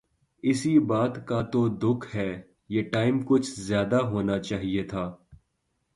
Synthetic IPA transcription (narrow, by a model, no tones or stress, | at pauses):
ɪsibaːt̪kat̪od̪ʊkʰɦɛː | jeːʈaːɪmkʊt͡ʃʰzjaːd̪aɦoːnat͡ʃaːɦiet̪ʰaː